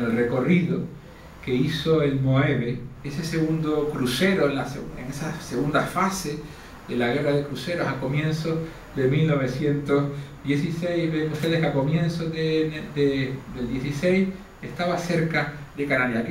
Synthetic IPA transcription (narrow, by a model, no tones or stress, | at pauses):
elre̞ko̞riðo | ke̞iso̞e̞lmo̞eβeese̞se̞ɣund̪okɾuse̞ɾo̞enlaseḛŋesase̞ɣund̪afase | ðe̞laɣ̞e̞raðekɾuse̞ɾosako̞mjẽ̞nso | ðe̞milno̞β̞e̞sje̞nt̪o̞ɦðje̞sisejhβeŋuht̪e̞ðekako̞mjẽ̞nsoðend̪ed̪eld̪jesise̞js | e̞ht̪aβase̞ɾkaðe̞kanaɾjak